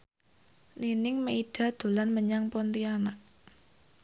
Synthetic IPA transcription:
ninɪŋməiɖ̥ä̤d̪̥o̤lanməɲaŋpɔnt̪ianaʔ

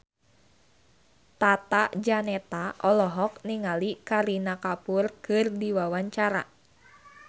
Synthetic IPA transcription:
t̪at̪ad͡ʒanɛt̪aʔɔlɔɦɔk̚niŋalikaɾinakapurkɨrdiwawaɲt͡ʃaɾa̰

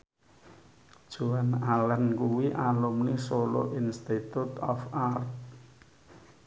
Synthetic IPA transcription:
d̥ʒ̥uanalənkuwiʔalumnisolo̰ʔinst̪it̪ut̪ɔfart̪̚

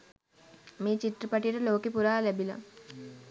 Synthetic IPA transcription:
miːt͡ʃiʈripaʈijəʈəloːkipuɾaːlɛbila̰

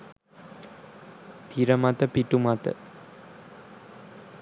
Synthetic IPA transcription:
t̪iɾəmat̪əpiʈumat̪ə̰

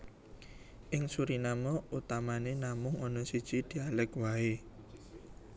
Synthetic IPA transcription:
ʔɪŋsuɾinamɔut̪amanenamʊŋɔnɔsid̥ʒ̥i̤d̪̥i̤alɛkwae

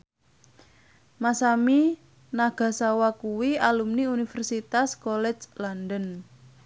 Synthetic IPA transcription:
masami | naɡ̥a̤sawakuwialumniunifɛrsit̪askolɛ̥d͡ʒlandən

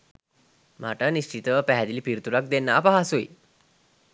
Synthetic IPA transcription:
m̤a̰ʈaniɕt͡ɕit̪əpɛɦɛd̪ilipiɾt̪uɾak̚d̪enːapaɦasui

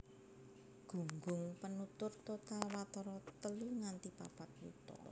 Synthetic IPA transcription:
ɡ̥ṳŋɡʊŋpənut̪ʊrt̪ot̪awat̪ɔɾɔt̪əluŋant̪ipa̰pat̪̚wṵt̪ɔ̰

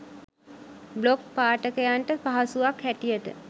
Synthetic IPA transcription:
blok̚paːʈəkəjaɳʈəpaɦasuʋakhæʈijəʈə̰

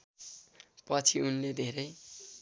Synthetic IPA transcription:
pʌt͡sʰiunled̪ʱeɾʌj

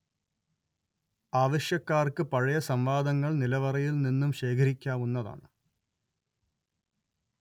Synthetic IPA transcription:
aːʋɐɕjɐkːaːrkɨpɐɻɐjɐsɐmʋaːd̪ɐŋːɐɭnilɐʋɐrɐjilninːumɕe̞ːkʰɐɾikʲːaːʋunːɐða̰ːɳɨ

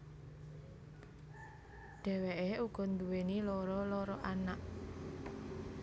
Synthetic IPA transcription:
ɖ̥ɛ̤weʔeuɡ̥ɔ̤nd̪uwenilɔɾɔlɔɾɔʔanaʔ

